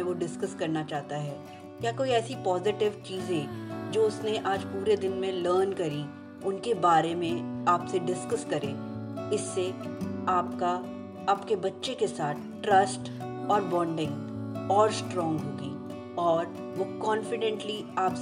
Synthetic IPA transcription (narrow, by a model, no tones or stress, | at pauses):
ẽʋoɖɪskɐskɐɾnat͡ʃaːɦt̪aɦɛː | kjaːkoːiɛːsipɔːzɪʈɪʋt͡ʃiːzɛ̃d͡ʒoːʊsneʔaːd͡ʒpuːɾed̪ɪnmẽləːɾnkɐɾi | ʊnkebaːɾemẽaːpseɖɪskəskɐɾẽː | ɪsːeaːp̚ka | aːpkebɐtːʃekesaːt̪ʰʈɾɐsʈ | ɔːɾbɔ̃ːɳɖɪ̃ŋɡɔːɾsʈɾɔ̃ːŋɡɦoːɡiː | ɔːɾ | ʋokɔ̃ːnfɪɖɛ̃ɳʈliaːps